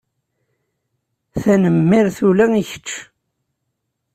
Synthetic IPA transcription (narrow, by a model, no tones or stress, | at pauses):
θænəmːɪɾθulæŋiçə̥t͡ʃː